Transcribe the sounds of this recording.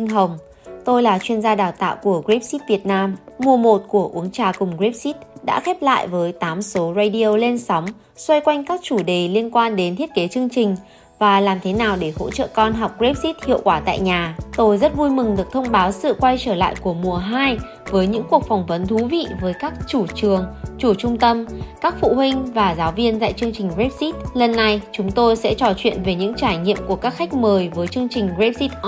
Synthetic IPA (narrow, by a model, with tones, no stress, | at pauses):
ŋɦə˨˩wŋ͡m | t̪o˧jlaː˨˩t͡ɕwi˧ənzaː˧ɗaː˨˩wt̪a̰ː˧˨wku˧˩əɣɹi˦˥p̚si˦˥t̚vi˨˩ət̚naː˧mːu˨˩əmo˨˩t̚ku˧˩əʔu˨˦əŋt͡ɕaː˨˩kʊ˨˩ŋ͡mɣɹi˦˥p̚si˦˥t̚ɗa̰ː˧˥xɛ˦˥p̚la̰ː˧˨jvəː˨˦jt̪aː˨˦mso˨˦za˧ɗi˧o˧le˧nsɔ˨˦wŋ͡m | swa˧jkwa˧jŋ̟kaː˦˥k̚t͡ɕu˧˩ɗe˨˩li˧ənkwaː˧nɗe˨˦nt̪ʰi˦˥ət̚ke˨˦t͡ɕɨ˧əŋt͡ɕï˨˩ŋ̟ | vaː˨˩laː˨˩mt̪ʰe˨˦naː˨˩wɗe˧˩ho̰˧˥t͡ɕə̰ː˧˨kɔ˧nɦa˨˩wk͡p̚ɣi˦˥p̚si˦˥t̚hḭ˧˨əwkwaː˧˩t̪a̰ː˧˨jɲaː˨˩t̪o˧jzə˦˥t̚vu˧jmɨ˨˩ŋɗɨ˨˩ək̚t̪ʰə˧wŋ͡mɓaː˨˦wsɨ̰˧˨kwa˧jt͡ɕəː˧˩la̰ː˧˨jku˧˩əmu˨˩əɦaː˧j | vəː˨˦jɲɨ̰˧˥ŋku˨˩ək̚fa˨˩wŋ͡mvə˨˦nt̪ʰu˨˦vḭ˧˨vəː˨˦jkaː˦˥k̚t͡ɕu˧˩t͡ɕɨ˨˩əŋt͡ɕu˧˩t͡ɕʊ˧ŋ͡mt̪ə˧mkaː˦˥k̚fṵ˧˨ɦwï˧ŋ̟vaː˨˩zaː˨˦wvi˧ənza̰ː˧˨jt͡ɕɨ˧əŋt͡ɕï˨˩ŋ̟ɣe˦˥p̚si˦˥t̚lə˨˩nːa˧jt͡ɕʊ˨˦ŋ͡mt̪o˧jsɛ̰˧˥t͡ɕɔ˨˩t͡ɕwḭ˧˨ənve˨˩ɲɨ̰˧˥ŋt͡ɕaː˧˩jɲḭ˧˨əmku˧˩əkaː˦˥k̚xa˦˥jk̟̚məː˨˩jvəː˨˦jt͡ɕɨ˧əŋt͡ɕï˨˩ŋ̟ɣɹe˦˥p̚si˦˥t̚ʔ